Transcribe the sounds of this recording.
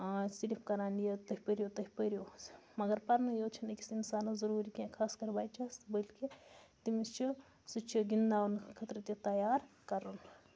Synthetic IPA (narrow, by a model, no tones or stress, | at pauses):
siɾipʰkɐɾaːnijɐt̪ɐɦipəɾjot̪ɐɦipəɾjosmɐɡɐɾpɐɾnjoːt͡ʃʰɐnɐki̥sinsaːnɐzɐɾuːɾikãkʰaːskɐɾbaːjt͡ʃasbəlkit̪imist͡ʃʰi | sut͡ʃʰiɡind̪aːnkʰɐt̪ɾɐt̪jɐt̪ɐjaːɾkɐɾun